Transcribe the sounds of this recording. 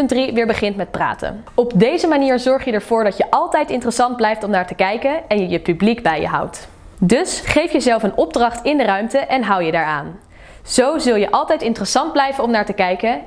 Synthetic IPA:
ndriʋɪːɹbəχɪntmɛt̚pra̰ːtə̰n | ɔbdejzəmaniːɹzɔɹχjədɛɹv̥ʊːɹdɑtjəʔɑlˠtɛjtɪntərəsɑnd̚blɛjftɔmnaːɹtəkɛjkənɛnjəjəpybliɡbɛjə̰ɦʌ̰wt | dɵsχejfjəzɛlˠfənɔb̚drɑχtɪndərœɥmtəʔɛnɦʌwjədaːɹa̰ːn | z̥owzɵlˠjəʔɑlˠtɛjtɪntərəsɑnd̚blɛjvənɔmnaːɹtəkɛjkə

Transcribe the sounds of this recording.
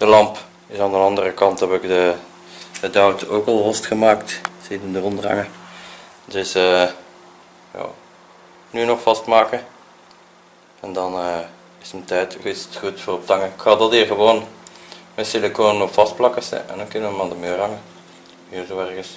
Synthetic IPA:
d̥əlɑmp | ɪsaːndənɑndərəkɑntɛpɪkdə | dədœwtoːkɑlˠɦɔstxəmaːktsetəndərɔndəɑ̰ŋə | tɪsə | jɑ̰ː | nyːnɔxfɑstmaːkə | ɛndɑnə | ɪsəətɛːtɪstxutfoːrɔp̚tɑŋəɪkxɑːdɑtiːrɣəʋoːn | mɛsɪləkoːnnɔfɑst̚plɑkəsɛ̰ɛ̰ndɑnkʏnəʋəmaːndəmøːrɦɑŋə | hiːrzoːɛrɣəs

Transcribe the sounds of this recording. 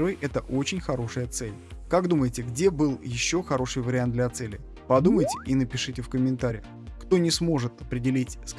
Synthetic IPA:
rvɨjʔɛt̪əʔo̞t͡ɕɪnʲxɐɾo̞ʂɨjət̪sɛlʲkaɡd̪uməjɪtʲɪɡdʲe̞bɨlˠjɪɕːo̞xɐɾo̞ʂɨjvəɾʲɪant̪d̪lʲɐt̪sɛlʲɪ | pɐd̪uməjtʲɪʔinəpʲɪʂɨtʲɪfkəmʲɪnt̪aɾʲɪɪ | kt̪o̞nʲɪsmo̞ʐɨt̪ɐpɾʲɪdʲɪlʲitʲsk

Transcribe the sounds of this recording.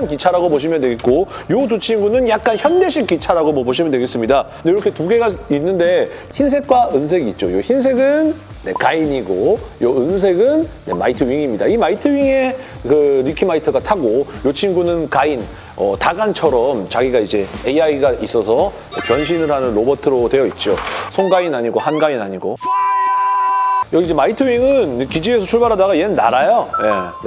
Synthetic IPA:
nkit͡ɕʰaɾaɡoboɕ̬ʰimjʌndwe̞ɡet̚k͈ojot̬ot͡ɕʰinɡunɯnjak̚k͈ançjʌnde̞ɕʰik͈ːit͡ɕʰaɾaɡomʌboɕ̬ʰimjʌndweɡes͈ɯmɲida | neiɾʌkʰe̞tuɡe̞ɡainːɯnde̞ | çins̬ʰe̞k̚k͈waɯns̬ʰe̞ɡit̚t͡ɕ͈ojoçinsʰe̞ɡɯnː | e̞̰kaiɲiɡojoɯns̬ʰe̞ɡɯnːe̞̰ma̰itʰɯɥiŋimɲidaimaitʰɯwɥiŋe̞ | kɯɾikʰimaitʰʌɡatʰaɡojot͡ɕʰinɡunɯnkain | ʌtaɡant͡ɕʰʌɾʌmt͡ɕaɡiɡaid͡ʑe̞eiaiɡaʔis͈ʌs̬ʰʌ | nepjʌnɕ̬ʰinɯɭɦanɯnɾobʌtʰɯɾotwe̞jʌit̚t͡ɕ͈osʰoŋɡainaɲiɡohanɡainaɲiɡo | jʌid͡ʑe̞maitʰɯɥiŋɯnekid͡ʑie̞sʰʌt͡ɕʰuɭbaɾɦadaɡaienɯnːa̰ɾajoje

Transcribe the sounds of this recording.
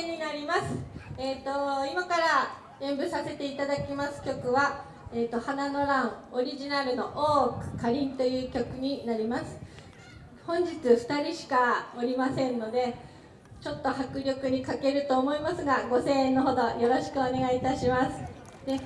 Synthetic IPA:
ɲinaɾʲimasɨ̥eːt̪o̞imakaɾa | ɡẽ̞mbɯ̟sase̞t̪e̞it̪ad̪akʲimasɨ̥kʲo̞kɯ̟βa | eːt̪o̞hanano̞ɾãɰ̃oɾʲiʑinaɾɯ̟no̞ʔoːkɯ̟̥kʰaɾʲĩnt̪o̞jɯ̟ːkʲo̞kɯ̟ɲ̟inaɾʲimasɨ̥ | hõ̞ɲ̟d͡ʑit͡sɨɸɯ̟̥t̪aɾʲiɕi̥kao̞ɾʲimasẽ̞nːo̞d̪e̞ | t͡ɕo̞t̪ːo̞hakɯ̟ɾʲo̞kɯ̟ɲ̟ikake̞ɾɯ̟t̪o̞ːmo̞imasɨɡaɡo̞se̞ːẽnːo̞ɦo̞d̪o̞jo̞ɾo̞ɕi̥kɯ̟one̞ɡait̪aɕimasɨ̥ | d̪̥e̞

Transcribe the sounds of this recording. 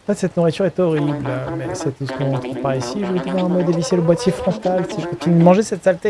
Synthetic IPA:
ɑ̃fɛt̪sɛt̪nuʁit̪yʁɛt̪ɔʁiblmɛsɛt̪sə̥kɔ̃ɑ̃t̪χəpaʁisiʒuʁit̪up̪ɔ̃ɛ̃mɔd̪eviseləbwat̪jefχɔ̃t̪alsiʒəkɔ̃t̪inyd̪əmɑ̃ʒesɛt̪salt̪e

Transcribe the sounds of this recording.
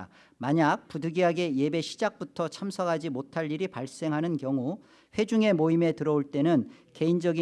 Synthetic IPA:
maɲak̚pudɯɡiɦaɡe̞je̞be̞ɕʰid͡ʑak̚p͈utʰʌt͡ɕʰamsʰʌɡad͡ʑimotʰaʎːiɾipaɭs͈e̞ŋɦanɯnkjʌŋu | ɸwe̞d͡ʑuŋe̞moime̞tɯɾʌoɭt͈e̞nɯnke̞ind͡ʑʌɡi

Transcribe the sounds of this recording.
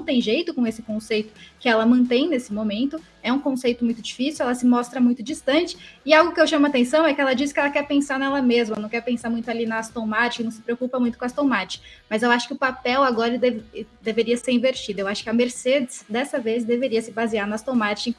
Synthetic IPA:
nɐ̃w̃t̪ẽj̃ʒejt̪ʊkõesɪkõsejt̪ʊkɪɛlɐmɐ̃nt̪ẽj̃nesɪmomẽnt̪ʊ | ɛũkõsejt̪ʊmũj̃t̪ʊd͡ʒifisiwɛlɐsɪmɔst̪ɾɐmũj̃t̪ʊd͡ʒist̪ɐ̃t͡ʃɪ̥ɪawɡʊkɪewʃɐ̃mʊat̪ẽsɐ̃w̃ɛkɪɛlɐd͡ʒiskɪɛlɐkɛɾpẽsaɾnɛlɐmezmɐnɐ̃w̃kɛɾpẽsaɾmũj̃t̪ʊalinɐːst̪omat͡ʃɪkɪnɐ̃w̃sɪ̥pɾeokupɐmũj̃t̪ʊkast̪omat͡ʃɪ̥mɐzewaʃʊ̥kɪʊpapɛwaɡɔɾɐd̪evd̪eveɾiɐseɾĩveɾt͡ʃid̪ɐewaʃʊ̥kɪɐmeɾsed͡ʒɪsd̪ɛsɐvezd̪eveɾiɐsɪbaziaɾnɐast̪omat͡ʃɪĩ

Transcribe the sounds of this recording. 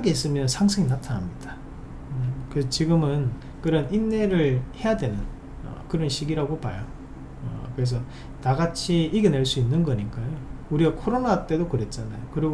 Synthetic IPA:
aɡeis͈ɯmjʌnsʰaŋsʰɯŋinatʰanɦamɲid̥a | ʌkɯesʌt͡ɕiɡɯmɯn | kɯɾʌninːe̞ɾɯɭhe̞jadwe̞nɯn | ʌ̰kɯɾʌnɕʰiɡiɾaɡopajo | ʌ̰kɯɾe̞s̬ʰʌ | naɡat͡ɕʰiiɡene̞ɭs͈uinːɯnɡʌɲik͈ajouɾiɡakʰoɾonat͈e̞dokɯɾe̞t̚t͡ɕ͈anajokɯɾiɡo

